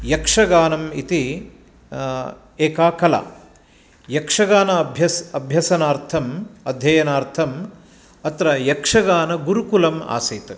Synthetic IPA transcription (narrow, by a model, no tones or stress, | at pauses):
jɐkʂɐɡaːnɐmit̪i | eːkaːkɐla̰ | jɐkʂɐɡaːnɐbʱjɐsɐbʱjɐsɐnaːɾt̪ʰɐmɐd̪ʱjɐjɐnaːɾt̪ʰɐm | ɐt̪ɾɐjɐkʂɐɡaːnɐɡuɾukulɐma̰ːsiːt̪